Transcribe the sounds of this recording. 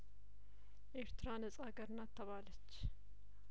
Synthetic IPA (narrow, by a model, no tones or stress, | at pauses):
ʔe̞ɾt̪ɨɾanəsʼaɡəɾɨnːat̪ʰːəβalət͡ʃː